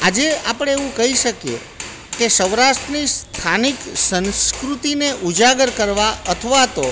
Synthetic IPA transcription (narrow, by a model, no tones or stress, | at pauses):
ad͡ʒeapəɽ̃eeʋũkəɦiʃəkjḛ | kesəʋɾaʃʈnist̪ʰaniksənskɾut̪ineʔud͡ʒaɡəɾkəɾʋaʔət̪ʰəʋat̪o